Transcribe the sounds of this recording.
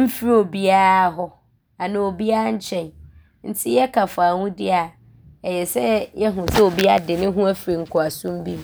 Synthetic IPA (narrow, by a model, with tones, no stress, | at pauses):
m̩˦fi˦ɾi˦o˨bi˦a˦ɦɔ˦ | a˨nɪ̃˨o˨bi˦a˦ɲ̩˦t͡ɕʰɛ̃˨n | n̩˦tʰɪ˦jɛ˦kʰa˨fa˨wũ˦dɪ˦a˨ | ɛ˨jɛ˨sɛ˦jɛ˦ɦũ˨sɛ˦o˨bi˦a˦dɪ˨nɪ̃˦ɦũ˦æ˦fɾi˨ŋ̩˨kʰʊ˨a˨sũ˦mbi˦